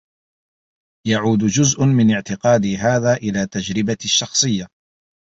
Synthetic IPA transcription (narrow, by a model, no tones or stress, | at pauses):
jaʕuːd̪d͡ʒʊzʔʊmɪnɪʕt̪ɪqɑːd̪iɦaːðaːʔɪlaːt̪ad͡ʒɾɪbaʃːɑxsˤɨjːa